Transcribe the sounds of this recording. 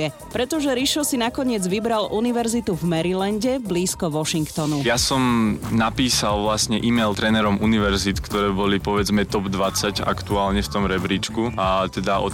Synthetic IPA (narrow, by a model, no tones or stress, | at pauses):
ɛ | pɾɛt̪ɔʒɛɾiʃɔsinakɔɲɪɛd͡zʋibɾalʔuniʋɛɾzit̪uvmɛɾilanɟɛbliːskɔʋɔʃiŋkt̪ɔnujasɔmnapiːsalʋlasɲɛʔimɛjlt̪ɾɛnɛɾɔmʔuniʋɛɾzit̪kt̪ɔɾɛːbɔlipɔʋɛd͡zmɛt̪ɔbd̪ʋat͡saɟa̰kt̪uaːlɲɛft̪ɔmɾɛbɾiːt͡ʃkuat̪ɛd̪aʔɔ̰